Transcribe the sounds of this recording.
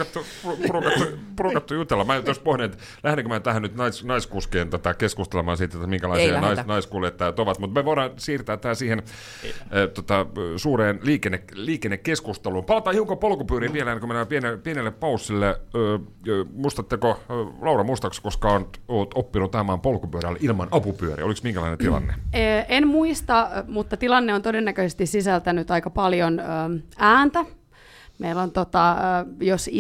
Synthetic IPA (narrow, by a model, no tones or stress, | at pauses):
ɑt̪ːupuupurukɑt̪ːupurukɑt̪ːujut̪elːɑmæːjt̪jost̪̚pohninet̪ | læhɾeŋkømæt̪æhænyt̪nɑisnɑiskuskeːnt̪ot̪ɑkeskust̪elemɑːnsit̪ːet̪ːæmiŋkælɑisiɑnɑisnɑiskuːliet̪ːæːt̪oʋɑt̪mut̪meʋoiɾɑnsiːrt̪æːt̪ːæːæsiːhen | t̪ot̪ɑsuːreːnliːkenːekliːkenːekkeskust̪eluːmpɑlɑt̪ɑːiuŋkopolkupyːɾiʋʋielenːkømenæpienepienelːeppɑusːilːeøː | muist̪ɑt̪ːekolɑuɾɑmust̪ɑkskoskɑonoːt̪opːinut̪ɑemɑːmpolkupyøɾælːḛʔilmɑnɑpupyøɾḭoliksmiŋkælɑ̰inet̪ilɑ̰nːḛenmuist̪ɑmut̪ːɑt̪ilɑnːeont̪odenːækøsest̪issisælt̪ænyt̪ɑikɑpɑljonøːæːnt̪æ | meilːont̪ot̪ɑjos